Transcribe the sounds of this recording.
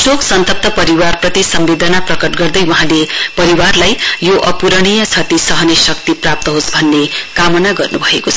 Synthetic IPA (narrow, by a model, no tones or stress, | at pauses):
soksʌnt̪ʌp̚t̪ʌpʌɾiwarprʌt̪isʌmbed̪ʱʌnaprʌkʌʈɡʌrd̪ʌjwʌɦãlepʌɾiwarlajjoʔʌpuɾʌɽ̃ijʌt͡sʰʌt̪isʌɦʌnesʌk̚t̪iprap̚t̪ʌɦosbʱʌnːekamʌnaɡʌrnubʱʌekot͡sʰʌ